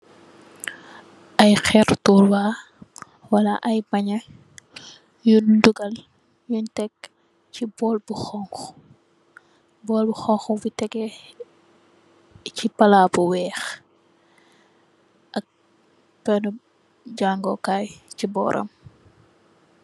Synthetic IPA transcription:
ʔɐjxɛɾtuːrwaː | wɐlɐʔɐjbɐɲɐ | junduɡɐl | juntɛk | cibɔːlbuxɔŋx | bɔːlbuxɔŋxubitɛɡɛ | cipɐlabuwɛːx | ʔɐk̚ | bɛnɔ | ɟaːŋɡɔkaːjcibɔ̰ːɾʔɐ̰m

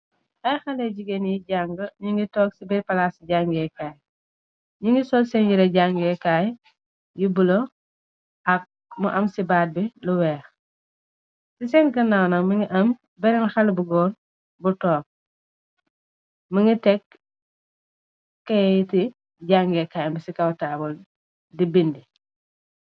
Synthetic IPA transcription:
ʔɐjxɐlɛɟiɡenjiɟaŋɡəɲiŋɡitɔːksibiɾpɐlasɟaŋɡɛkaːj | ɲiŋɡisɔlsɛnjiɾɐɟaŋɡɛkaːj | jubulo | ʔɐk̚ | muʔɐmsibaːt̚biluwɛːx | sisɛnɡɐnawnɐŋmiŋiʔɐm | bɛɾɛŋxɐlbuɡɔːn | butɔːk̚ | məŋitɛk | ɐjiti | ɟaŋɡɛkajɐmbisikɐwtaːbɔl | dibindi

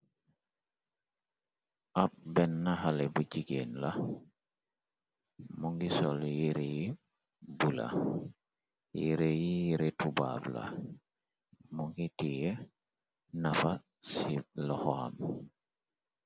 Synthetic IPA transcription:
ʔap̚bɛnːaɦalɛbud͡ʒiɡenla | muŋɡisɔljiɾeji | bula̰ | jiɾejijiɾɛtuba̰bla̰ | muŋɡitijɛ | nafa | silɔhɔa̰m

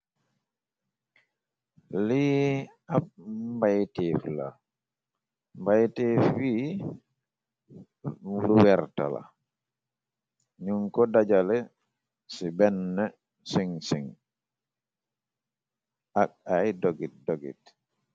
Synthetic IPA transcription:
li | abmbajtefla̰ | mbajtefwi | luwɛɾta̰la̰ | ɲuŋkɔdad͡ʒalɛ | sibɛnːɛ | siŋsiŋ | akajdoɡit̚doɡḭt

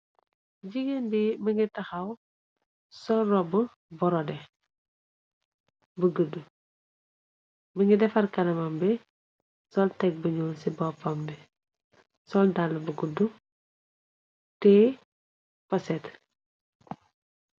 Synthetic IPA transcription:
ɟiɡəndiməŋɡitɐxɐw | sɔlrɔbə | bɔɾɔdɛ | bəɡədːu | məŋɡidɛfɐrkɐnɐmɐmbɛ | sɔltɛk̚bəɲɔːlsibɔpɐmbɛ | sɔldalːɐbəɡədːu | tɛ | pɐsɛt

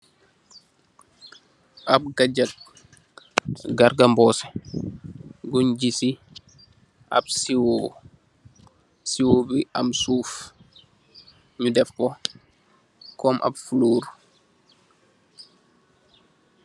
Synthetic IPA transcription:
ʔab̚ɡaɟak̚ | ɡaɾɡambɔːsɛ̥ | ɡuɲɟisi | ʔa̰bsiwo | siwobia̰msuːf | ɲudɛfkɔ | kɔmʔa̰bfuloːɾ

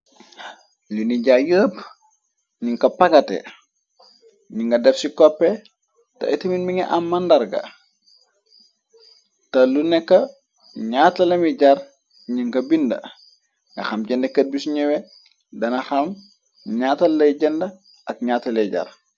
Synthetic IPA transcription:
luniɟajəːp | ɲiŋkɐpɐkɐtḛ | ɲiŋɡɐdɛfsikɔpːɛ | tɐ̰itɐminmiŋɐʔamːandɐɾɡɐ̰ | tɐlunɛkːɐ | ɲaːtɐlɐmiɟaɾ | ɲiŋɡɐbindɐ̰ | ŋɐ̰xɐmɟɛndekːɐt̚bisɲɛwɛ | dɐnɐxɐm | ɲaːtɐlːɐjɟɐndɐ | ʔɐk̚ɲaːtɐleɟa̰r

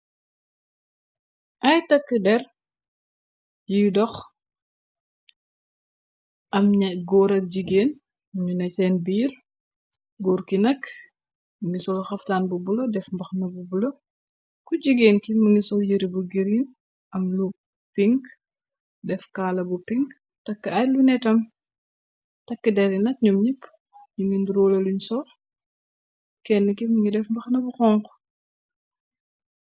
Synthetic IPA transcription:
ʔɐjtɐkːədɛr | jidɔx | ʔɐmɲɐɡɔɾɐk̚ɟiɡeːn | muɲunɐsɛːnbiːɾ | ɡɔːɾkinɐk | muŋɡisɔxɐftaːnbubulɐdɛfmbɐxnɐbubulɐ | kuɟiɡeːnkimuŋɡisɔjəɾibuɡiɾin | ʔɐmlu | piŋɡ | dɛfkaːlɐbupiŋɡ | tɐkːəɐjlunɛtɐm | tɐkːədɛɾinɐt̚ɲumɲipː | ɲuŋɡinduɾɔlɐluɲsɔ | kɛnːəkimuŋɡidɛfmbɐxnɐbuxɔŋk

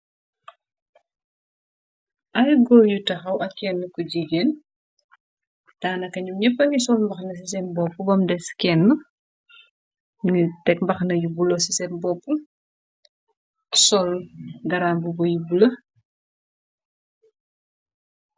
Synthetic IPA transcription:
ʔɐjɡɔljutɐxɐwʔɐkːɛnːəkɔɟiɡɛn | taːnɐkɐɲuɲɛpːɐŋisɔlmbɐxnɐs̬isɛnbɔpːubɐmdɛskɛnːə | ŋitɛk̚mbɐxnɐjubulosisɛnbɔpːu | sɔlɡɐɾaːmbubɔjubulɐ

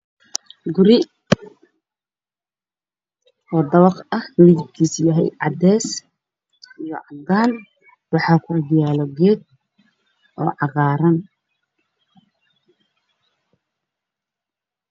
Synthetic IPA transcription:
ɡʊɾɪ | ɔːd̪ɐβɑqɐhmɐɾid͡ʒɪbkʰiːsjɐɦɛ̰jʕɑd̪ɛːs | ʔijɔ̰ʕɑɡ̪aːn | wɑħɑːkʰʊɐɡ̪jaːlɔɡɛːd̪̚ | ʔɔːʕɑɣɑːɾɐn

